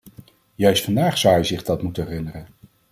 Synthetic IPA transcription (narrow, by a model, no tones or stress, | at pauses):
jœɥstfɑndaːχsʌwɦɛjzɪχdɑtmutənɦɛrɪnərən